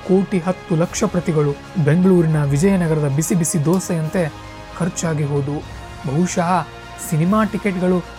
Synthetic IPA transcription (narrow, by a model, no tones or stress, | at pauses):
ko̞ːʈiɦɐt̪ːulɐkʂɐpɾɐt̪iɡɐɭu | be̞ŋɡɐɭuːɾinɐʋid͡ʒɐjɐnɐɡɐɾɐd̪ɐbisibisid̪oːsɐjɐnt̪e̞ | kʰɐɾt͡ʃaːɡiɦo̞ːd̪u | bʱɐɦuʃɐɦɐ | sinimaːʈikeʈɡɐɭu